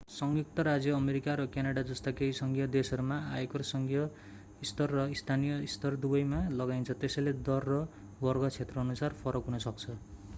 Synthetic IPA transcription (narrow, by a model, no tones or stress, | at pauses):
sʌŋɡik̚t̪ʌɾad͡zjʌːmeɾikaɾʌkjanaɽad͡zʌst̪akeisʌŋɡʱjʌd̪esʌɾumaajekorsʌŋɡʱjʌ | ist̪ʌrːʌist̪ʰanijʌist̪ʌrd̪ubʌjmalʌɡajnt͡sʰʌt̪esʌjled̪ʌrːʌ | bʌrɡʌt͡sʰet̪rʌːnusarpʰʌɾʌkɦunʌsʌk̚t͡sʰʌ